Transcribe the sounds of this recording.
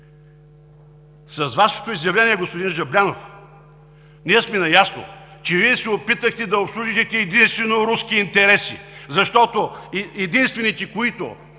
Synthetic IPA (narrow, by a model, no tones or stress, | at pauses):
sɐzvaʃɛ̥t̪oizjɐvlʲɛniɛɡospʊd̪inʒɐblʲanof | niɛsmɛnɐjasno̰t͡ʃɛviɛsɛopit̪əxt̪ɛd̪ɐopsluʒiʒit̪ɛːd̪inst̪vɛnoɾuskʲiːnt̪ɛɾɛsḭzɐʃt̪ɔt̪oɛd̪inst̪vɛnit̪ɛkoit̪o̰